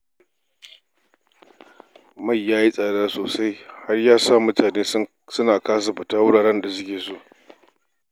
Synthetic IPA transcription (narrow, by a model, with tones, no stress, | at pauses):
ma˦˨jːaː˦ji˦sʼaː˨daː˦soː˨sa˦jha˦rjaː˦sa˦˨mʊ˦taː˨neː˦ | sʊ˦naː˨kaː˦s̬a˨ɸʊ˨taː˦wʊ˦ɽaː˨ɽɛ˦nda˨sʊ˦kʲeː˨soː˦˨ʔ